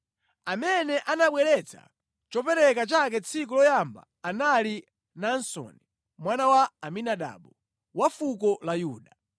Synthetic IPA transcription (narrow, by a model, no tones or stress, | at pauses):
amɛnɛʔanaɓwɛɾɛt͡sʰa̰ | t͡ʃɔpɛɾɛkat͡ʃakɛt͡sʰik̬ɔlɔjamba̰ːnali | nansɔ̰ːni | mwanawaːminaɗa̰ːɓɔ | wafukɔlajuːɗa